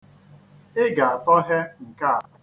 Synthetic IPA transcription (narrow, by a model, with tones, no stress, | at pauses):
ɪ˦ɡa˨a˨tɔ˦ɦe˦ŋ̩˨ka˦a˨˦